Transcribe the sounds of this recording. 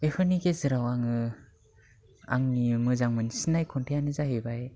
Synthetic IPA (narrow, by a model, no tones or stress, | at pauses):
epʰɯniɡezɯɾawaŋɯ | a̰ŋnimɯzaŋmɯnisinajkʰɔntʰejanɯzaɦɯbaj